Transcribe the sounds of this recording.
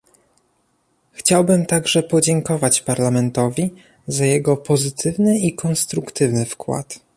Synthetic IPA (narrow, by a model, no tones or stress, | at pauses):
xt͡ɕawbɘmt̪aɡʐɛpɔd͡ʑɛŋkɔvat͡ɕpaɾlamɛnt̪ɔvʲi | zajɛɡɔpɔzɘt̪ʰɘvnɘikɔnst̪ɾukt̪ɘvnɘfkwa̰t̪